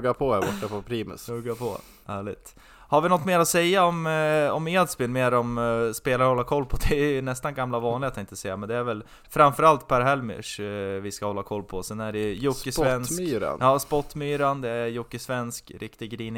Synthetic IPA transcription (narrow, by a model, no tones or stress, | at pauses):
ɡapʰɔæbɔʈːapʰɔpʰɾiːmɪ̰sɵɡːapʰɔ̰ | hæːɭɪ̰t̪ | haɾvɪnɔt̪ːmeːɾɔsɛjːaɔmɔmeːd̪sbɪnmeːɾɔmspeːlaɾhɔlːaɾkʰɔlːpʰɔd̪ɛæjnɛst̪anɡamːlavɑːnlɪɡat̪jaɛɪnt̪əsɛjːamɛnd̪ɛæɾvɛl | fɾamfœɾalt̪pʰæɾɦɛlmɪ̰ʂvɪskahɔlːakʰɔlːpʰɔsɛnæɖɛjjʊskːɪsvɛnssyːɾa̰njɑːspɔt̪ːmyːɾand̪ɛæɾjʊkːɪsvɛnskɾʔɪkt̪ɪɡɡɾiːnɪ